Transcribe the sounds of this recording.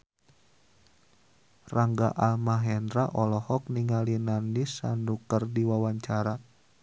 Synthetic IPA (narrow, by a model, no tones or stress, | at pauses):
raŋɡaʔalmaɦɛnɾaʔɔlɔhɔk̚niŋalinandisandukərdiwawaɲt͡ʃaɾa